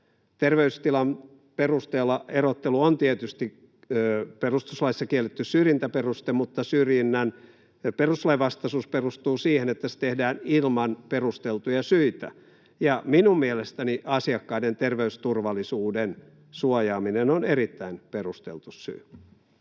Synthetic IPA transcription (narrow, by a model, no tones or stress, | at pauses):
t̪erʋeyst̪ilɑm | perust̪eːlːɑerot̪ːeluont̪iet̪yst̪i | perust̪uslɑisːɑkielːet̪ːyssyrjint̪æperust̪emut̪ːɑsyrjinːæn | peruslɑiʋɑst̪ɑsuːsperust̪uːsiːhenet̪ːæst̪ehdæːnilmɑnperust̪elt̪ujɑsyit̪æ̰ | jɑminummielest̪æniʔɑsiɑkːɑident̪erʋeyst̪urʋɑlisuːden | suojɑːminenonerit̪ːæinperust̪ḛlt̪ussy̰ː